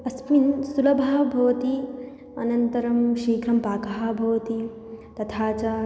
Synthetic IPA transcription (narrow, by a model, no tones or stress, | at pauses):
ɐspinsulɐbʱaːbʱɐʋɐt̪i | ɐ̰nɐnt̪ɐɾɐmʃiːkɾɐmpaːkɐɦabʱɐʋɐt̪i | t̪ɐt̪ʰaːt͡ʃa